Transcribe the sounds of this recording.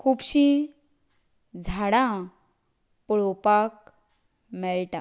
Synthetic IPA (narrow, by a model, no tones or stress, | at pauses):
kʰubɕi | d͡zʱaɽã | pɽopak̚ | mɛlʈa